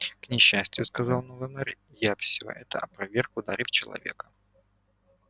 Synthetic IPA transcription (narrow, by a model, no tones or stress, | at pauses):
knʲɪɕːæsʲtʲɪjʊskɐzɑlˠnovɨnɛrʲ | jafsʲɪvo̰ʔɛt̪əʔɐpɾɐvʲerkʊd̪aɾʲift͡ɕɪlˠɐ̰vʲe̞̰kə̥